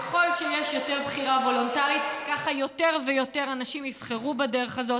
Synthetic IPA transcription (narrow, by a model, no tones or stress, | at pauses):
eχo̞lʃejeʃjo̞te̞ʁbχiʁavo̞lo̞ntaʁit̪kaχajo̞teʁvejo̞te̞ʁanaʃimifχeʁubadeʁeχazo̞